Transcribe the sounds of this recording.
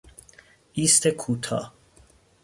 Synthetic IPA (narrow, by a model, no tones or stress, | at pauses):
ist̪ʰɛkʰut̪ʰa̰